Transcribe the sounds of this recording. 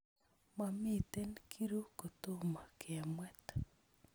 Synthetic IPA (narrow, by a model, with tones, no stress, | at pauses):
ma˨mi˦tɛ˦nkʰi˦ɾu˦ko˨t̪o˦ma˨kʰɪ˨a˨mwɛ˦t̪